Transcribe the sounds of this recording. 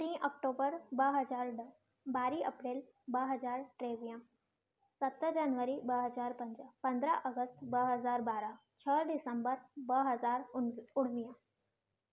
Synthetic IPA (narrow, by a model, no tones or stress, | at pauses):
t̪ɾĩːʔɔːk̚ʈoːbəɾbɐɦɐzaːɾɖə | baːɾiɐpɾeːl | bɐɦɐzaːɾʈɾeːʋijã | sɐt̪d͡ʒaːnʋəɾibəɦɐzaːɾpɐ̃ɲd͡ʒəpɐ̃nd̪ɾaʔəɡəst̪bəɦɐzaːɾbaːɾa | t͡ʃʰəɖɪsəmbəɾbɐɦɐzaːɾʊɽ̤̃ʋijã